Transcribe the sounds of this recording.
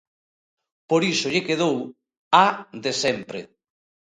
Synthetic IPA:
poɾisʊʎɪkeðow | aðesɛmpɾḛ

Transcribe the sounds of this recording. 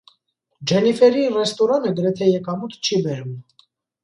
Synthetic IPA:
d͡ʒɛnifɛɾirɛst̪ɔɾɑnəɡəɾɛt̪ʰɛjɛkɑmut̪ʰt͡ʃʰibɛɾum

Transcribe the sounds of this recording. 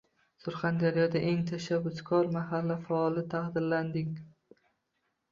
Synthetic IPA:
sʊɾχand̪aɾijɒd̪aʔeŋt̪ʰaʃabːʊskʰɒɾmaɦalːafaɒlˠɪt̪ʰahd̪ɪɾland̪ɪŋ

